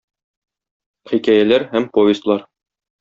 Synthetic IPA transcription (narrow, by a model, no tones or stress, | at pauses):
χikæjælæɾhæmpojɪst̪lˠɑɾ